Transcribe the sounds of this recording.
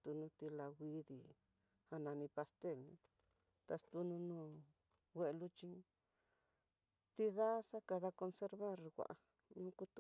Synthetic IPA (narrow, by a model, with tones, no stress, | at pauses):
t̪u˧nũ˧t̪i˧la˧ɣʷi˧ði˧˨ | ha˧nã˧nĩ˧pa˧st̪e˦˨lnĩ˧ | t̪a˧st̪u˧nũ˧nũː˧˨ | wʷe˧lu˦t͡ʃĩ˧˦ | t̪i˧ða˦sa˦ka˧ða˧ko˧nse˧ɾβa˦˨ɾwa̰˨ʔa˧ | nũ˦ku˧t̪u˧